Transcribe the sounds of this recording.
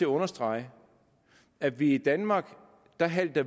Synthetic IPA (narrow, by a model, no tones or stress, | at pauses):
e̝ɐɔ̽nɐsd̥ʁɑ̈ɪ | æʋiid̥ænmɑ̈ːɡ̥ | d̥ɑ̈ɦæl̰d̥ɐ